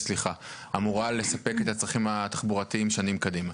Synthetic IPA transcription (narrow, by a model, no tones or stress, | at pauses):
sliχa | amuʁale̞sape̞ke̞t̪at͡sʁaχimhat̪ḁχbuʁat̪iimʃanimkad̪ima